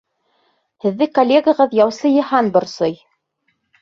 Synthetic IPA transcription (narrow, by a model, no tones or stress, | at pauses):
hɘ̆ðːɘkolʲːeɡəʁɤðjɑwsɤjɤ̆hɑnbɤ̆ɾsɤj